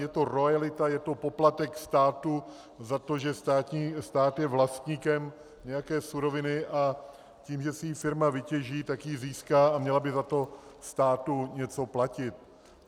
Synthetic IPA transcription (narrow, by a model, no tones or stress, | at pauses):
jɛt̪o̞ɾojalɪt̪ajɛt̪o̞po̞plat̪ɛkst̪aːt̪u | zat̪o̞ʒɛst̪aːt̪ɲiːst̪aːt̪jɛvlast̪ɲiːkɛm | ɲɛjakɛːsuɾo̞vɪnɪʔa | ciːmʒɛsɪifɪɾmavɪcɛʒiːt̪akjiziːskaːamɲɛlabɪzat̪o̞st̪aːt̪uɲɛt͡so̞placɪt̪̚